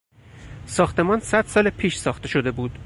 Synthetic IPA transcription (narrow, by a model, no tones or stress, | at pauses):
sɒːxt̪e̞mɒːnsæd̪̥sɒːlepʰiːʃsɒːxt̪e̞ʃo̞d̪e̞buːd̪̥